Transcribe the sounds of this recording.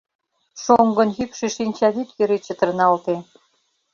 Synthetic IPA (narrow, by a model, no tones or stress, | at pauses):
ʃoŋɡɤ̆njykʃeʃinʲt͡ɕɑd̪it̪jø̆ɾet͡ɕə̆t̪ə̆rnɑlt̪e